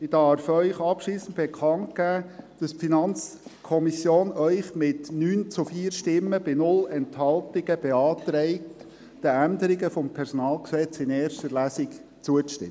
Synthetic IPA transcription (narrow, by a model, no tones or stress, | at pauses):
ɪd̥ɑɾfœʏχɑpʃliːsn̩tb̥ɛkʰɑnt̚ɡ̥æːd̥ɑsfinɑnt͡skʰɔmisjoːnœʏχmɪtnyːnt͡sufiːəɾʃtɪmːəb̥ɪnʊlɛnthɑltɪɡ̥əb̥ɛɑːt̪ɾɛɪkt | d̥əænd̪əɾɪɡəfɔmpʰɛɾsɔnɑːlksɛt͡sɪneːrʃtəɾlæsɪk | t͡suətʃtɪ̰